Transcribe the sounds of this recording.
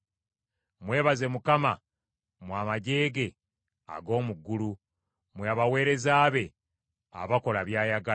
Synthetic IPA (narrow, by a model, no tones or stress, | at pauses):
mwe̞ːβaze̞mukama | mwaːmaɟe̞ːɡe̞ | a̰ɡo̞ːmuɡːulu | mweaβawe̞ːɾe̞zaːβe̞ | a̰βako̞laβjaːjaɡa